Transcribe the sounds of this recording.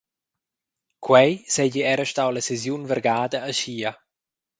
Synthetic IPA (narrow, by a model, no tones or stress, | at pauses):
kʰwɛjsɛɟiɛɾəʃt̪awlasezjunvɛɾɡaːd̪aːʃiːa